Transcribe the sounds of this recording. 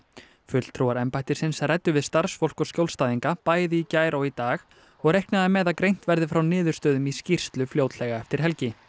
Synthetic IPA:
fʏl̥t̪ʰɾuwaɾɛmpajt̪ɪɾsɪnsrɛjt̪ːʏvɪðst̪aɾ̥sfowl̥kɔscjowlst̪aːðiŋkapaːjðɪicaːjɾowit̪aːx | ɔɣrejhk̚nɪðamɛːðakɾejn̥t̪vɛɾðɪfɾawnɪːðʏ̥st̪œːðʏmiscir̥st̪lʏfljowt̪lɛːɣaɛft̪ɪɾ̥ɦɛlcɪ

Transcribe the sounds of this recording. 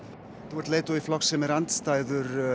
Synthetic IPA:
θuwaɾt̪lejt̪ɔiflɔksɛmɛɾant̪st̪aːjðʏɾ

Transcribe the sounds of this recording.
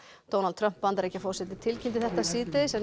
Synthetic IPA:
d̪̥ownalt̪ʰɾœm̥pːant̪aɾehcːafɔɾ̥sɛt̪ɪt̪ʰɪlcʰɪnt̪ɪθɛht̪asiːt̪ɪsɛn

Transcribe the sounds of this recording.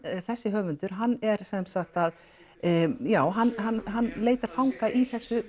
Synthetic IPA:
θɛsːɪɦœːvʏnt̪ʏɾ̥ɦanːɛɾsɛmsaxt̪að | jaːwɦanɦanːɦanːleːjt̪aɾ̥fawŋkaʔiθɛsːʏ

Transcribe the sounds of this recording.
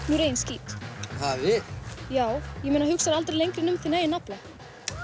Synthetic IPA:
nuɾeːjnsciːt̪havɪjaːwjɛmeːnahʏksaɾalt̪ɾejlejŋkɾɪnʏmθinaːjɪnapla

